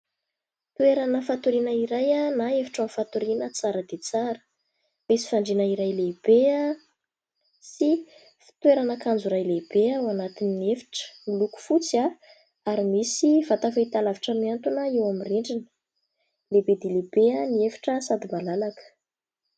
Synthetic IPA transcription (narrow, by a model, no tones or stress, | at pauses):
t̪ueɾanəfat̪uɾinəiɾajanaefi̥ʈ͡ʂamfat̪uɾinət͡saɾəd̪et͡saɾə̥ | misi̥faɳɖ͡ʐinaiɾajleb̥ea | si | fi̥t̪weɾanakand͡zuɾajleb̥eawanat̪ininefi̥ʈ͡ʂə̥miluku̥fut͡sia | aɾimisivat̪afait̪alaviʈ͡ʂəmiant̪unəewamiriɳɖ͡ʐinə | lebed̪eleb̥eaniefi̥ʈ͡ʂəsad̪imalalakə̥